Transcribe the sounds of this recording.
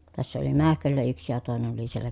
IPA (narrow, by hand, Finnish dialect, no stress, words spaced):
tæsːæ oli mæhkølːæ yksi jɑ toˑenen oli sielːæ